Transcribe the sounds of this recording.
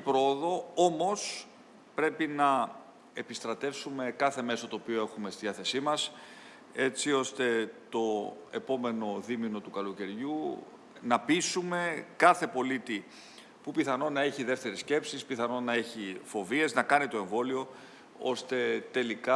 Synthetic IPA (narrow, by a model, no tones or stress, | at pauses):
pɾooðo̞o̞mo̞s | pɾe̞pinɐ | e̞pist̪ɾɐt̪e̞fsume̞kɐθe̞me̞sot̪o̞ːpioe̞xume̞st̪iðiɐθe̞simɐs | e̞t͡sio̞st̪e̞t̪o̞e̞po̞me̞no̞ðimino̞t̪ukɐloce̞ɾʝu | nɐpisume̞kɐθe̞po̞lit̪i | pupiθɐno̞nɐe̞çiðe̞ft̪e̞ɾesce̞psispiθɐno̞nɐe̞çifo̞vie̞znɐkɐnit̪o̞e̞ɱvo̞lio̞ | o̞̰st̪e̞t̪e̞likɐ